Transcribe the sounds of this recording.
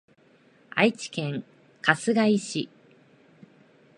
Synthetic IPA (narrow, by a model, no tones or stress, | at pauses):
a̰it͡ɕi̥kẽ̞ŋ | kasɨɡaiɕi